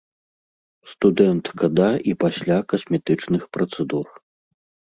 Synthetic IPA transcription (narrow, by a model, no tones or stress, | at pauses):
st̪ud̪ɛnt̪kɐd̪aipasʲlʲakɐsʲmʲɛt̪ɨt͡ʂnɨxpɾɐt̪sɛd̪ur